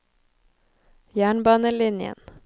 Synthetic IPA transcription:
jæːɳbɑːnəlɪnjə̰n

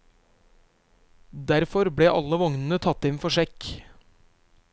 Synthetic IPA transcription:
d̪æɾfɔɾbɽeːʔɑ̰ləʋɔŋnən̩ət̪ʰɑt̪ɪnfɔʃɛk

